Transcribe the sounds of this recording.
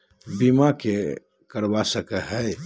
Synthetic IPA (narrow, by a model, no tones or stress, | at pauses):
bimake | kəɾbasəkəɦɛ